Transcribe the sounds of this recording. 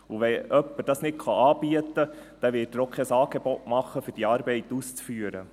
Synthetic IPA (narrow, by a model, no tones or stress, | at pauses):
uʋɛœpːəɾd̥ɑsnɪtχɑɑːb̥iətəd̥ɛʋɪtəɾokʰːɛːsɑːɡebɔtmɑχːəfʏɾd̥iɑːɾbɛɪtust͡sfyəɾə